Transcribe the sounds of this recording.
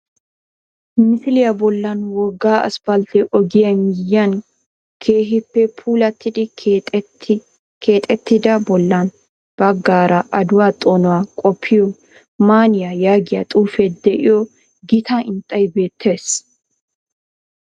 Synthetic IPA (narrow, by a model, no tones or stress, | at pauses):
mɪfɪlɪjabɔlːɐnwɔɡːaːʔɐ̰spɐlt̪ɛʔɔɡɪjɐmɪjɐn | ɡkʰe̞ːɦɪpːɛpʰuːlɐt̪ːɪd̪ɪ | kʰeːt̪ʼɛt̪ːɪd̪ɐbɔlːɐn | b̥ɐɡːaːɾɐʔɐd̪ʊwaːt̪ʼoːnɔwaːkʼɔpʰːɪjɔ | maːnɪjɐjaːɡɪjat̪ʼuːfɛd̪ɛʔɪjɔ | ɡɪt̪ɐɪnt̪ʼːɐjbe̞ːt̪ʰːe̞ːs